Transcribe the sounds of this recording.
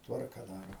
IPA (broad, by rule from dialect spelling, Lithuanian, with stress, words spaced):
ˈtʋɐrkɐ ˈdɑːroː